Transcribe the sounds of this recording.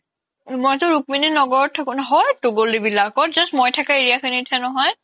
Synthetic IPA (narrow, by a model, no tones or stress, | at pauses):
mɔjtʊɹuk̚mininɔɡɔɔtʰːakunɦɔjtuɡolibilakɔtzɔsmɔjtʰakaeɹiakxinitʰɛnɔɦɔj